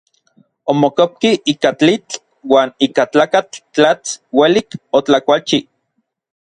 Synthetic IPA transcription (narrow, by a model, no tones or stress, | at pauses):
omokop̚kiʔiːkat͡ɬit͡ɬ | waːniːkat͡ɬaːkat͡ɬt͡ɬat͡swelikot͡ɬakʷalt͡ʃi